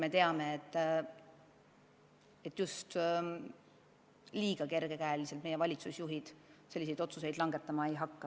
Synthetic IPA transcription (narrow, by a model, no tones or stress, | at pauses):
me̞t̪e̞ɑme̞ːt̪ː | e̞t̪ːjust̪ | liːɡ̥ɑke̞rɡ̥e̞kæelise̞lt̪me̞je̞vɑlʲit̪susjuɦid̪̥se̞lʲːis̬ejd̪o̞t̪suse̞jd̪lɑŋɡ̥e̞t̪ːˑɑmɑejɦɑkːɑ